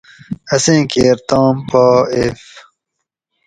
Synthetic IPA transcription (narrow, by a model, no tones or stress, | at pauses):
ɐsẽːkeːɾt̪aːmpaːef